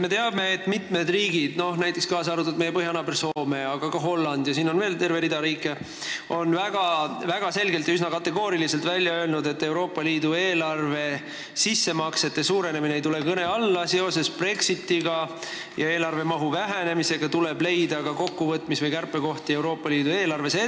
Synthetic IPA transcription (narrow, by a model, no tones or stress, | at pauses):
me̞t̪e̞ɑbme̞ːt̪ːˑmit̪med̪riːɡid̪̥no̞hnæjt̪ːˑeskɑːsɑɾut̪ːud̪̚mejeɤɦjɑnɑpe̞rso̞ːme̞ɑɡ̥ɑkɑɦo̞lːɑnd̪̥jɑsiːno̞nve̞ːlt̪e̞rve̞ɾid̪̥ɑɾiːkˑːe̞ | o̞nvæɡ̥ɑvæɡ̥ɑse̞lɡe̞lt̪jɑysnɑkɑt̪ːˑe̞ɡ̥o̞ːɾilise̞lt̪vælʲjɑø̞e̞lnud̪e̞t̪ːe̞wɾo̞ːpˑːɑliːd̪ue̞ːlɑrve̞ | sisːe̞mɑkse̞t̪ːˑesuːɾe̞ne̞mineejt̪ule̞kɤne̞ɑlːɑse̞o̞se̞spre̞ksit̪ːiɡ̥ɑ | jɑeːlɑrve̞mɑɦuvæɦæne̞mise̞ɡ̥ɑt̪ule̞b̥le̞jd̪̥ɑkɑko̞kːuvɤt̪ːˑmisvɯjkærpːˑe̞ko̞ht̪ie̞wɾo̞ːpːˑɑliːd̪ue̞ːlɑrve̞se